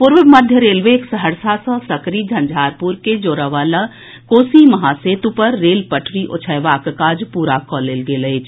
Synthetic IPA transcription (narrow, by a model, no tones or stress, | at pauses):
puɾʋəməd̪ʱjəɾelʋeksəɦəɾsasə̃səkɾid͡ʒʱə̃nd͡ʒʱaɾpuɾked͡ʒoːɾəʋala | koːsiməɦaset̪upəɾːelpəʈʰɾiʔo̰t͡ʃʰəjʋakkad͡ʒpuɾakɔlelɡelət͡ʃʰ